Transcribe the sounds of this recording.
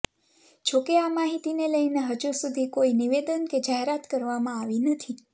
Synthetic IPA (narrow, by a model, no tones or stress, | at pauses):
t͡ʃʰokeamaɦit̪ineləineɦəd͡ʒusud̪ʱikoiniʋed̪ənked͡ʒaɦeɾat̪kəɾʋamãaʋinət̪ʰi